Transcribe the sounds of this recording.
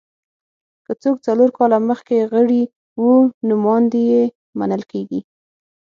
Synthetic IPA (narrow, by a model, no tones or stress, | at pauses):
kət͡sok̚t͡saloɾkɑlaməxkeɣəɽi | wunʊmɑnd̪eje | ma̰nəlkeɡi